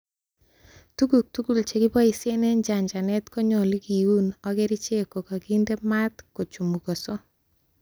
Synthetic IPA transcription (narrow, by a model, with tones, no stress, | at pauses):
tu˦ɡu˨k̚tu˦ɡu˨lt͡ʃe˨ɡɪ˦bɔ˦i˨se˦nɛ˦nd͡ʒa˨ɲd͡ʒa˨nɛ˦t̪ko˦ɲɔ˨li˦ki˨wu˦nɔ˦ɡe˦ɾi˦t͡ʃe˦ko˨ka˨ɡi˦nde˦ma˦t̪ko˨t͡ʃu˨mu˨ɡɔ˨sɔ˦